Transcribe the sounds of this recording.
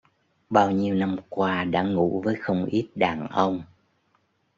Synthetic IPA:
ɓaː˧wɲi˧əwna˧mkwaː˧ɗa̰ː˧˥ŋṵ˧˥vəː˨˦jxə˧wŋ͡mʔi˦˥t̚ɗaː˨˩ŋʔə˧wŋ͡m

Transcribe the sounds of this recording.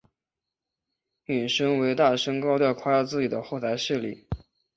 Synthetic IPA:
ny˨˩ʂɤ˥ŋwe˧˥ɪt̪a˥˩ʂɤ˥ŋkɑ˥ʊt̪jɑ˥˧ʊkʰa˥˧jɑ˥˧t͡sɹ̩˥˩t͡ɕi˨˩d̪ə˦xo˥˩ʊt̪ʰa˧˥ɪʂɻ̩˥˩lḭ˥˩˦

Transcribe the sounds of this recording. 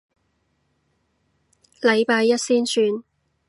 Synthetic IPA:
lɐ˨˧jpaː˧jːɐ˥t̚siː˥nsyː˧n

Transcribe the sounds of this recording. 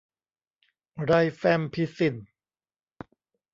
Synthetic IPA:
ɾa˧jfɛ˧mpʰi˦˥si˧˩n

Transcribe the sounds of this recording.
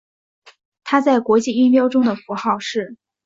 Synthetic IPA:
t̪ʰa˥t͡sa˥˩ɪkwɔ˧˥t͡ɕi˥˩y˥npjɑ˥ʊʈ͡ʂʊ˥ŋd̪ə˨fu˧˥xɑ˥˧ʊʂɻ̩˥˩

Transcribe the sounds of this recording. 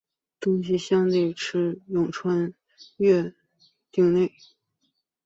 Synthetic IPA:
t̪ʊ˥ŋɕ̬i˧ɕjɑ˥ŋt̪i˥˩ɪʈ͡ʂʰɻ̩˥jʊ˨˩ŋʈ͡ʂʰwa˥n | ɥɛ˥˧ | t̪i˥˧ŋne˥˩ɪ

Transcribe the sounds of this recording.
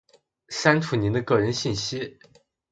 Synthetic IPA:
sa˥nʈ͡ʂʰu˨˩ni˧˥nd̪ə˧kɤ˥˩ɻə˧˥nɕi˥˩nɕi˥

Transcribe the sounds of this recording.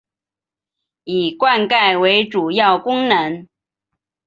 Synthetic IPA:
i˨˩kwa˥˧nka˥˩ɪwe˧˥ɪʈ͡ʂu˨˩jɑ˥˩ʊkʊ˥ŋnə˧˥n

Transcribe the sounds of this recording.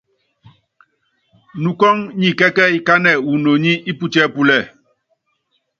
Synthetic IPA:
nu˨kɔ˦ŋɲi˨kɛ˦kɛ˦i˨ka˦nɛ˨wu˨no˨ɲi˦ʔi˦pu˦t͡ʃɛ˦pu˦lɛ˦˨

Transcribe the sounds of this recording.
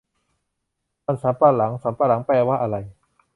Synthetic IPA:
maː˧˨nsaː˩˦mpaː˧˩la˩˦ŋsa˩˦mpa˧la˩˦ŋpɛː˧˩waː˦˥ʔa˧ɾa˧j

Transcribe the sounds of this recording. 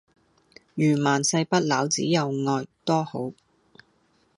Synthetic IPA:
jyː˨˩maː˨˩nsɐ˧jpɐ˥t̚laː˨˥wt͡siː˨˥jɐ˨wŋɔː˧jt̪ɔː˥ho˨˥w

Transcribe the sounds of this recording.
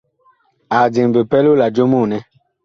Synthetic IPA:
a˨d͡ʒi˨ŋ˨be˨pɛ˦lu˦la˨d͡ʒo˦mu˦˨nɛ˦

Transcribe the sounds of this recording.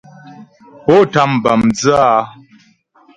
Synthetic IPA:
pɔ˦ta˦˨m˨ba˨md͡zɨ˦a˦

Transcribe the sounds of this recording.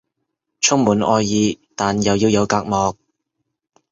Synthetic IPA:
t͡ʃʰʊ˥ŋmuː˨˥nʔɔː˧jːiː˧t̪aː˨njɐ˨wjiː˧wjɐ˨˧wkaː˧k̚mɔː˨˧k̚

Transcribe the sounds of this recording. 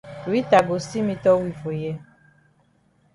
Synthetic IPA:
i˦t̪a˨ɡo˨si˦mĩ˧t̪ɔ˦wi˦vo˨jɛ˧

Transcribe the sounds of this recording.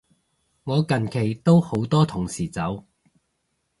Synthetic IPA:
ŋɔː˨˧kɐ˨˩nkʰe˨˩jt̪o˥who˨˥wt̪ɔː˥t̪ʰʊ˨˩ŋsiː˨˩t͡sɐ˨˥w

